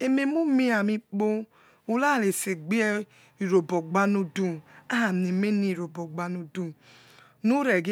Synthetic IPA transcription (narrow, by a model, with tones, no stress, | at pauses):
e˨me˦mu˦mi˦a˨mi˧k͡po˦ | u˨la˦˨le˨se˨ɡ͡bi˦ɛ˦ | i˨ɾo˨bɔ˨ɡ͡ba˦no˧du˦˨a˦a˨m˨e˨me˦ni˦˨ɾo˨bɔ˨ɡ͡ba˧no˧du˦˨ | nu˦ɾɛ˨ɡe˦